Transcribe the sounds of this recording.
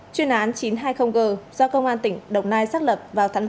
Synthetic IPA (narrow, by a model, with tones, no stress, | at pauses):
t͡ɕwi˧ənʔaː˨˦nt͡ɕi˨˦nɦaː˧jxə˧wŋ͡mɣəː˨˩zɔ˧kə˧wŋ͡mʔaː˧nt̪ï˧˩ŋ̟ɗə˨˩wŋ͡mnaː˧jsaː˦˥k̚lə˨˩p̚vaː˨˩wt̪ʰa˨˦ŋ